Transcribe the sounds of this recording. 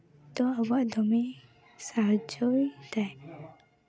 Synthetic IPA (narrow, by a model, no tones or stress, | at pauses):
t̪ɔabaʔd̪ɔmi | saɦd͡ʒɔjd̪aj